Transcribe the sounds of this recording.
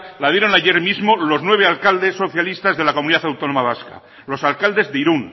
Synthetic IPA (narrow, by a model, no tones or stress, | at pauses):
laðjeɾonaje̞ɾmizmo̞lo̞znwe̞β̞e̞alkald̪e̞sːo̞θjalist̪azðe̞lakomuniðaθawt̪o̞no̞maβ̞aska̰ | lo̞salkald̪e̞zðeiɾun